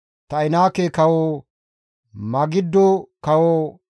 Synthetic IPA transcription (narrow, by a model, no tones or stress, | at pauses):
t̪ɐɪnaːkekɐwo | mɐɡɪd̪ːɔkɐwo